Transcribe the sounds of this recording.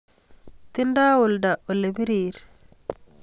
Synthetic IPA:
tindaːwɔldaʔɔlebiɾiːɾ

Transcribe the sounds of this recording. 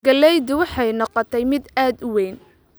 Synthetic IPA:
ɡɐlɛjd̪ʊwɑħɑjnɑqɔt̪ʰɛjmɪd̪aːd̪ʊwɛːn

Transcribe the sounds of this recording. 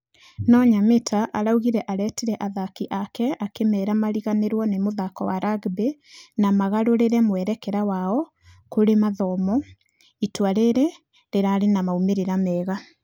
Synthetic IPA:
nɔɲametʰaʔaɾauɣiɾɛʔaɾɛtiɾɛʔaðakiʔakɛakemɛːɾamaɾiɣaneɾwɔnemoðakɔwaɾaɡbe | namaɣaɾoɾeɾɛmwɛɾɛkɛɾawaɔ | koɾemaðɔmɔ | itwaɾeɾe | ɾeɾaɾenamaumeɾeɾamɛːɣa

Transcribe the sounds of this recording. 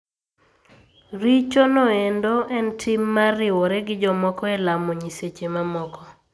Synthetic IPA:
ɾit͡ʃonɔendoʔɛntʰimːarɪwɔɾɛɡɪd͡ʒɔmɔkɔelamoɲiset͡ʃemamɔkɔ

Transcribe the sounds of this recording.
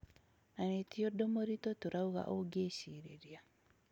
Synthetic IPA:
nanetiodomoɾitotoɾauɣa̰ʔoɡeɕiɾeɾia

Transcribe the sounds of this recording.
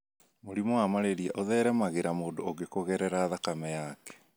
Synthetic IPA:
moɾimɔwamaɾeɾiɛʔoðɛɾɛmaɣeɾamoːdoːɡekoɣɛɾɛɾaːðakamɛjakɛ̥

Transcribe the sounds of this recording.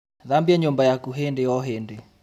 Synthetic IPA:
ðambiaɲumbajakuɦendeɔɦende

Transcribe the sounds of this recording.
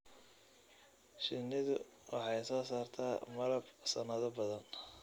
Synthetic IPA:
ʃɪnːɪðʊ | wʔɑħɑjsɔːsaːrt̪ʰaːmɐlɐbsɐnɐðɐbɐðɐn

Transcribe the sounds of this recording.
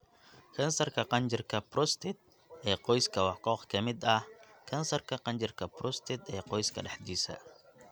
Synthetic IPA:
kʰɐnsɐrkʰɐqɑnt͡ʃɪrkʰɐprɔst̪ʰɪt̪̚ | ʔɛːqɔjskʰɐwɑħkɔːqkʰɐmɪd̪ɐhkʰɐnsɐrkʰɐqɑnt͡ʃɪrkʰɐprɔst̪ʰɪd̪ɛːqɔjskʰɐɗɛħd̪iːsɐ̰

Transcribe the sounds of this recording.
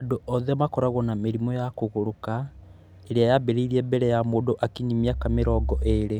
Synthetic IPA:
adoʔɔðɛmakɔɾaɣɔnameɾimɔjakoɣoɾoka | eɾeajabeɾeiɾiɛbɛɾɛjamodoʔakiɲimiakameɾɔɡɔʔeɾe

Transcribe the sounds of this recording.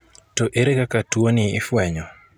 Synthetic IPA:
toʔeɾekakatwonɪːfwɛɲɔ

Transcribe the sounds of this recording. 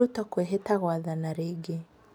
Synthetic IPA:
utɔkwɛɦɛtaɣwaðanaɾiɡɛ

